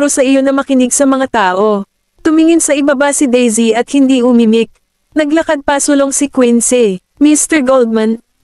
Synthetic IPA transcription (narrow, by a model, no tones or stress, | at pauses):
ɾosɐʔɪjo̞nɐmɐkɪnɪɡsɐmɐŋat̪aːʔo̞ | t̪ʊmiŋɪnsɐʔɪbabɐsɪd̪ɛjziɐt̪̚hɪnd̪ihʊmimɪk̚ | nɐɡlɐkad̪̚pɐsʊloŋsɪkwɪnsɛ | mist̪ɛɹɡold̪̚mɐn